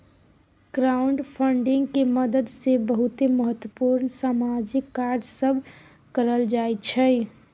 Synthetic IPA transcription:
ɡ̥ɾauɳɖpʰəɳɖiŋɡkeməd̪əd̪sebəɦut̪eməɦət̪wəpuɾnsamad͡ʒikːaɾd͡ʒsəbʱ | kəɾəld͡ʒajt͡ʃʰəj

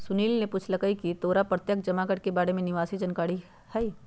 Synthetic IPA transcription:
sʊniːlnepʊt͡ʃʰlɐkəikit̪oːɾapɾət̪jək̚d͡ʒɐmaɡəʈ̚kebaːɽemẽnɪʋaːsid͡ʒɐnkaːɽi | hɛi

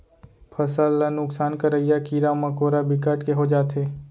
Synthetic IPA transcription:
pʰəsəlːanʊksaːnkəɾəijakiːɾamãkoːɾabɪkaʈkeɦod͡ʒaːt̪eː

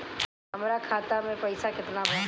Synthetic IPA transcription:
ɦɐmɾakʰaːt̪amẽpɐɪsakɪt̪nabɐ

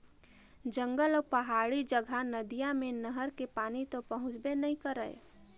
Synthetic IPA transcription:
d͡ʒə̃ŋɡəlɔːpəɦaːɽid͡ʒəɡʱanəd̪ijãmẽnəɦəɾkepaːnit̪opəɦʊ̃t͡ʃbenəĩkəɾə̰e

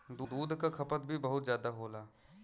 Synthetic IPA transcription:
d̪ud̪uːd̪ʱkakʰɐpət̪̚bʱibɐɦʊt̪zjaːd̪aɦoːlaː

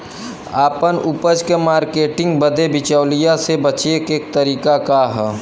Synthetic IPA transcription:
aːpənʊpəd͡ʒkemaːɾkeːʈɪ̃ŋɡbəd̪ebɪt͡ʃaːlijasebət͡ʃeːkeːk̚t̪əɾiːkakaɦɛ

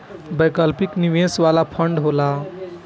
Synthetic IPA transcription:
bəjkəlpikniʋesʋalapʰəɳɖɦola

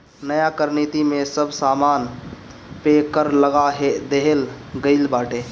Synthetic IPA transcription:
nəjakəɾnit̪imẽsəbʱsaːmaːn | pekəɾləɡaɦed̪eɦel | ɡəɪlbaːʈe

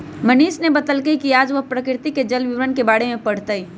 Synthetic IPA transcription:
məniːʃnebət̪əlkəikiaːd͡ʒʋəɦpɾəkɪɾɪt̪iked͡ʒəlʋɪʋɾənkebaːɽemẽpəɽ̤t̪əi

